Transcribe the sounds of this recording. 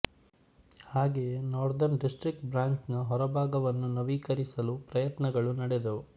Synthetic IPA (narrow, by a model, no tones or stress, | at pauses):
haːɡenɔːɾd̪ɐɾnɖisʈɾik̚ʈbɾaːɲknuɦɔɾɐbʱaːɡɐʋɐnːunɐʋiːkɐɾisɐlupɾɐjɐt̪nɐɡɐɭunɐɽed̪ɐu